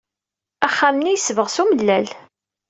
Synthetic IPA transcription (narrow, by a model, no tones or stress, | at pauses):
æχːamnijəsvəʁsuməlːæl